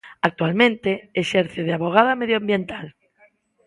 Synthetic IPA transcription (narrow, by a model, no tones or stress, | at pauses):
ak̚t̪walmẽnt̪eeʃeɾθjoð̞eaβoɣ̞aðameðjoambjent̪al